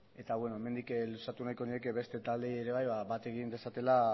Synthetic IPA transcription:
e̞t̪aβwe̞no̞e̞me̞nd̪iklusat̪unajko̞nie̞keβe̞st̪e̞t̪ald̪eeɾe̞β̞ajβaβat̪e̞ɣind̪e̞sat̪e̞la

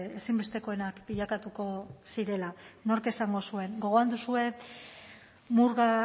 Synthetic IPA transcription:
esimbe̞st̪e̞ko̞e̞nakbiʎakat̪uko̞siɾe̞lano̞ɾke̞saŋɡo̞sue̞ŋɡo̞ɣ̞o̞and̪usue̞ | muɾɣa

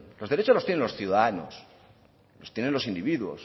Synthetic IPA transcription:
loðe̞ɾe̞t͡ʃo̞zlot̪jenenlo̞sθjuðaano̰s | lo̞st̪jene̞nlo̞sind̪iβiðwo̞̰s

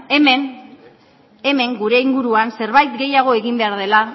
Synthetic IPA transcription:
emen | eme̞ŋɡuɾe̞iŋɡuɾuanse̞ɾβajt̪ɡe̞jaɣ̞o̞e̞ɣimbe̞aɾð̞e̞la

